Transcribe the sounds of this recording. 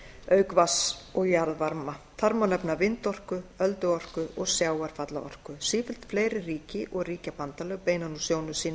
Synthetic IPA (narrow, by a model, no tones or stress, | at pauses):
œɥkvasɔɣjaɾðvaɾmat̪ʰaɾmanɛpnavɪnt̪ɔr̥kʏœlt̪ʏɔr̥kʏʔɔɣsjaːwaɾ̥fat̪la̰ɔ̰r̥kʏsiːfɪl̥t̪fleːjɾɪriːcɪʔɔɣriːcapant̪alœɣpeːjnanusjoːwnʏsiːna